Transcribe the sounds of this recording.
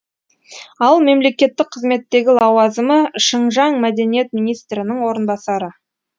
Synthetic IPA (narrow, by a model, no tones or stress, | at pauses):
ɑlˠme̞mle̞kʲe̞t̪ːɪk̚qʰəzme̞t̪ːe̞ɡʲɪlˠɑwɑzəməʃəɴʒɑŋmæd̪e̞nije̞t̪̚minijst̪ɾɪnɪŋwo̞ɾənbɑsɑɾə